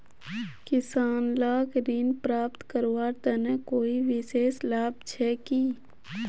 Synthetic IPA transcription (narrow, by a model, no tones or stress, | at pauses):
kɪsaːnlaːɡɾinpɾaːp̚t̪kəɾwaːɾt̪ɛnekoːiʋɪseːslaːb̚t͡ʃʰɛːkiː